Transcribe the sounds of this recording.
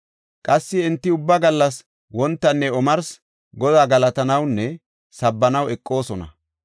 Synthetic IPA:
kʼɐsːɪɪnt̪ːɪʊbːɐɡɐlːɐs | wɔnt̪ːɐnːɛɔmɐɾs | ɡɔd̪aːɡɐlɐt̪ɐnɐwnːɛ | sɐbːɐnɐwɛkʼːo̞ːsɔnɐ̰

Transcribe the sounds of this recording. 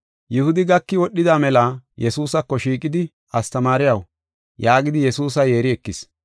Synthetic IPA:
jʊhʊd̪ɪɡɐkːɪwɔɗːɪd̪aːmɛlɐjɛsuːsɐkːɔʃiːkʼɪd̪ɪ | ɐst̪ɐmaːɾɪjɐw | jaːɡɪd̪ɪjɛsuːs̬ɐje̞ːɾɪɛkːɪs

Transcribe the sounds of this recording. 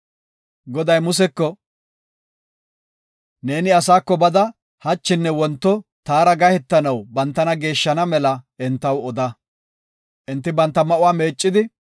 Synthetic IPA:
ɡɔd̪ɐjmʊs̬ɛkːɔ | ne̞ːnɪɐsaːkːɔbɐd̪ɐ | hɐt͡ʃːɪnːɛwɔnt̪ːɔt̪aːɾɐɡɐhɛt̪ːɐnɐwbɐnt̪ːɐnɐɡe̞ːʃːɐnɐmɛlɐʔɪnt̪ːɐwɔd̪ɐ | ʔɪnt̪ːɪbɐnt̪ːɐmɐʔʊwaːme̞ːt͡ʃʼːɪd̪ɪ

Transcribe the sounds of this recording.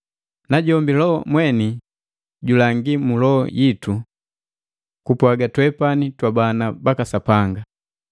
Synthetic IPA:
naɟɔmbilɔmwɛni | ɟulaŋɡimulɔ̰jitu | kupwaɡatwɛpanitwabanabakasapaŋɡa

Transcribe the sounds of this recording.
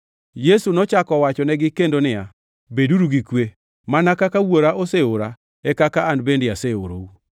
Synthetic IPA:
jesunɔt͡ʃakɔwat͡ʃɔnɛɡɪkendonɪja | beduɾuɡikwe | manakakawoɾaʔoseoɾa | ɛkakaanbendɪaseo̰ɾo̰u

